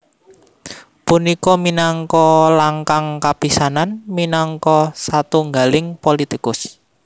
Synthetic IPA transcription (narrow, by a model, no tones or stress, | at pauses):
punikɔminaŋkɔlaŋkaŋkapisananminɔŋkɔsat̪uŋɡa̤lɪŋpolit̪ikʊs